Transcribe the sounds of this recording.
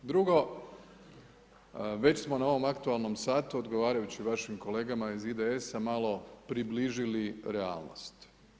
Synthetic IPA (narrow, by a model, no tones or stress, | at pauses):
d̪ɾuɡo̞ | ʋe̞t͡ɕsmo̞nao̞ʋo̞makt̪ualˠno̞msaːt̪uo̞d̪ɡo̞ʋaːɾajut͡ɕiʋaʃimko̞le̞ːɡamaizid̪eesamalo̞pɾibliʒiliɾea̰ːlˠno̰st̪